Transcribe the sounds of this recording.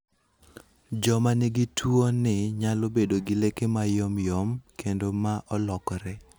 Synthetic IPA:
d͡ʒɔmanɪɡitʰwonɪɲalobedoɡɪlekemajomjomkendomaʔɔlɔkɔɾɛ

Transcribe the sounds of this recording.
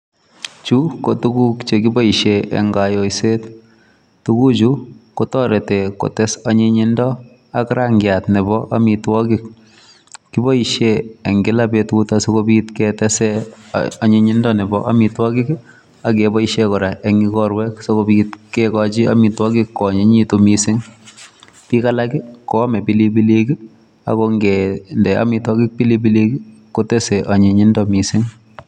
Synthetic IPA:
t͡ʃukotukukt͡ʃekibɔiʃjeʔḛŋɡajoiset | tukut͡ʃukotɔɾeteko̰tɛsaɲiɲindɔ | akɾaŋɡjatnɛbɔʔamitwɔkik̚ | kibɔiʃjeeŋɡilapetkutasokobitketɛsɛ̰ | ɔɲeɲɪndɔnɪbɔʔa̰mitwɔkik | ak̬ebɔiʃekɔɾaʔɛŋɡikɔɾwɛksokobitkɛkɔt͡ʃia̰mitwɔkikːɔɲeɲitumisɪŋ | pikalakikɔmɛpilibiliki | a̰koŋɡɛndɛa̰mitwɔkik̚pilib̬ilikikotɛsɛʔaɲeɲindɔmisɪŋ

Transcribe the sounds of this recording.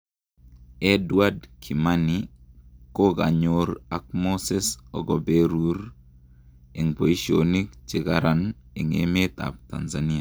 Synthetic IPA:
ɛdwadkʰimani | koɡa̰ɲoɾak̚mosesɔ̰ɡobeɾuɾ | eŋpoiʃionik̚t͡ʃɪkaɾan | ɪŋḛmet̪a̰p̚t̪a̰nzania

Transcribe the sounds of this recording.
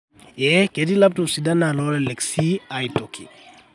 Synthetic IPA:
ɛkedilap̚tɔpsidanalɔlɛlɛksiajtokʰḭ

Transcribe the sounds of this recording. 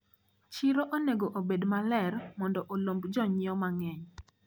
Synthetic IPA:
t͡ʃiɾoʔoneɡoʔobedmalɛrmɔndɔʔolombd͡ʒɔɲɪɔmaŋɛɲ

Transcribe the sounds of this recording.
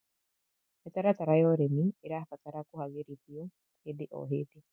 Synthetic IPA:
et̪aɾat̪aɾajoɾemiiɾafataɾakuhaɣeɾiðio | hedeʔo̰ɦedi

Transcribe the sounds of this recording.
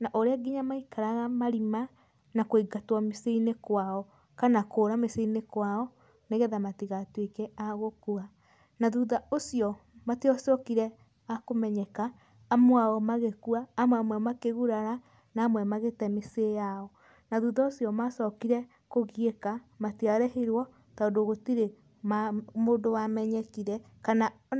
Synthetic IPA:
naʔoɾeaɡiɲamaikaɾaɣamaɾima | nakoiɡatwameseinekwaɔ | kanakoːɾameseinekwaɔ | neɣɛðamatiɣatwekɛaɣokua | naðuðaosjɔmateɔsɔkiɾɛ | akomɛɲɛkaː | mwaɔmaɣekuaːmwɛamwɛmakeɣuɾaɾa | naːmwɛmaɣetɛmesejaɔ | naðuðaosjɔmasɔkiɾɛ | koɣiekamatiaɾɛheɾwɔ | taondoɣotiɾe | mamondowamɛɲɛkiɾɛ | kana

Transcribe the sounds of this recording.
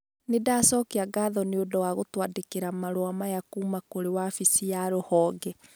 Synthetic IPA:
nedaːsɔːkeaɡaðɔneodɔwaɣotwadekeɾamaɾoamajakuːmakoɾewafisiaɾohɔːɡɛ

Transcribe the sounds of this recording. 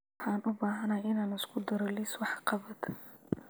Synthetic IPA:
ħɑːnʊbaːɦɐnajɪnaːnɪskʰʊd̪ɐɾɔliswɑħqɑβɐd̪

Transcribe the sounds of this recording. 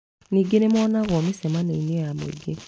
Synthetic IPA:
niːɡenemɔːnaɣɔmisɛmaneinejamo̰iɡe

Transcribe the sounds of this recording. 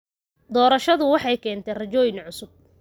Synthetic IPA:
d̪ɔːɾɐʃɐðʊwɑħɑjkʰɛːnt̪ʰɛrɐt͡ʃɔːjɪnʕʊsʊb̚

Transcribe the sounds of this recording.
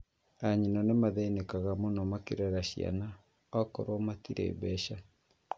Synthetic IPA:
aɲinɔnemaðeinekaɣamonɔmakeɾɛɾaɕia̰na | ɔkɔɾwɔmatiɾḛːbɛʃa

